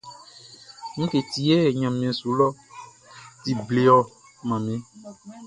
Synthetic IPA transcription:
mĩ˦ke˨ti˨e˦˨ɲã˨m˨ẽ˨su˨lɔ˦ | t̪i˨ble˨ɔ˨ | mã˨mẽ˦

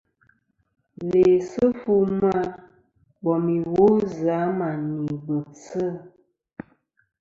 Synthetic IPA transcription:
le˨sə˦fu˦ma˦ | bɔ˨mi˨wo˦za˨˦ma˨ni˨bə˨t͡sə˦˨

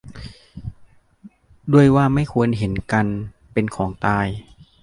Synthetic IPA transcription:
du˥˩əjwaː˥˩ma˥˩jkʰu˧ənɦe˩˦nka˧npe˧nkʰɔː˩˦ŋt̪aː˧j

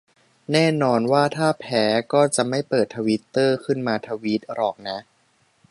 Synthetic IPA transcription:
nɛː˥˩nɔː˧nwaː˥˩t̪ʰaː˥˩pʰɛː˩˦˥kɔː˥˩t͡ɕa˨˩ʔma˥˩jpɤː˨˩t̪ʰːa˧wi˦˥t̪ːɤː˥˩kʰɯ˥˩nmaː˧t̪ʰa˧wi˦˥t̪̚ɾɔː˨˩k̚na˦˥ʔ

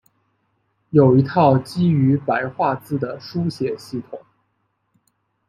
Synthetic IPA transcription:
jo˨˩ʊi˧˥t̪ʰɑ˥˩ʊt͡ɕi˥y˧˥pa˧˥ɪxwa˥˧t͡sɹ̩˥˩d̪ə˩ʂu˥ɕjɛ˨˩ɕi˥˩t̪ʰʊ˨˩˦ŋ

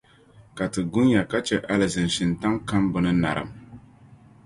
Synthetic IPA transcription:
ka˨tɨ˨ɡʊ˦n˦ja˨ka˦t͡ʃɛ˨ʔa˦lɨ˨zɨ˨nʃɪ˨nta˦ŋka˦mbʊ˦nɨ˦na̰˨ɾɨ̰˨m

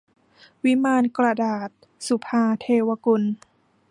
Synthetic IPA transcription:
wi˦˥maː˧nkɾa˧daː˨˩t̪̚ | su˨˩pʰaː˧t̪ʰeː˧wa˧ku˧n

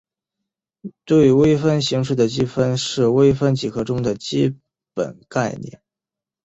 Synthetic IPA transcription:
t̪we˥˩ɪwe˥ɪfə˥nɕi˧˥ŋʂ̬ɻ̩˥˩d̪ə˩t͡ɕi˥fə˥nʂɻ̩˥˩we˥ɪfə˥nt͡ɕi˨˩kʰɤ˧˥ʈ͡ʂʊ˥ŋd̪ə˨t͡ɕi˥ | pə̰˨˩nka˥˧ɪnjɛ̰˥˩n

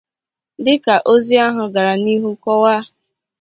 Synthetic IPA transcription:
dɪ˦ka˨ʔo˦zi˦a˦ɦʊ˨ɡa˨ɾa˨ni˦ɦu˦kɔ˦wa˦

